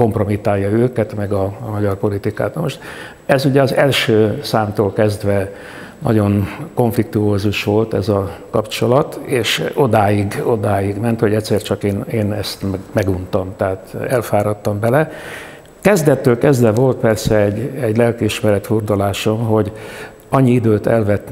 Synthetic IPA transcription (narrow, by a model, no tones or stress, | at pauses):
ko̞mpro̞mit̪aːjːɒøːkɛt̪mɛɡɒmɒɟɒrpo̞lit̪ika̰ːt̪nɒmo̞ʃt̪ | ɛzuɟɛɒzɛlʃøːsaːmt̪oːlkɛzd̪ʋɛ | nʔɒ̰ɟo̞nko̞ɱflik̚t̪uoːzuʃʋo̞lt̪ɛ̰zɒkɒpt͡ʃo̞lɒt̪eːʃod̪aːjiɡo̞d̪aːjiɡmɛnt̪ho̞ɟɛt̪sɛːrt͡ʃɒkeːneːnɛst̪mɛmɛɡunt̪ɒmt̪aɦːt̪ɛlfaːɾɒt̪ːɒmbɛlɛ | kɛzd̪ɛt̪ːøːlkɛzd̪ɛvo̞lt̪̚pɛrsɛɛɟːɛɟlɛlkiʃmɛɾɛt̪ford̪ulaːʃomɦo̞ɟ | ɒɲːiid̪øːt̪ɛ̰lvɛt̪ː